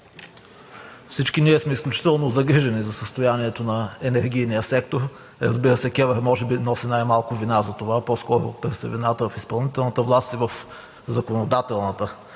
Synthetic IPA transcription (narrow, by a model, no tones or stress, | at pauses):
fsit͡ʃkiniɛsmɛisklʲut͡ʃi̥t̪ɛlˠnozɐɡɾiʒɛnizɐsəst̪ojaniɛt̪onɐɛnɛɾɡ̟ʲijnijəsɛkt̪oɾ | ɾəzbiɾəsɛkʲɛvɛɾmɔʒɛbinɔsinajmalˠkʊvinazɐt̪ovapɔskɔɾʊ̰t̪ɤɾsɛ̰vinat̪əvɐfispɐlˠnit̪ɛlˠnət̪əvlˠast̪ivəf | zɐkonod̪at̪ɛlˠnət̪ə